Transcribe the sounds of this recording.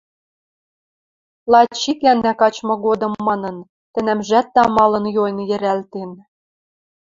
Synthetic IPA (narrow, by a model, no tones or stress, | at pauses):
lˠɑt͡ɕːikænːækɑt͡ɕmɤ̆ɣod̪ɤ̆mːɑnɤ̆n | t̪ɘ̆nɘ̆mʒæt̪̚ːɑmɑlɤ̆njojnjɘ̆ɾælt̪en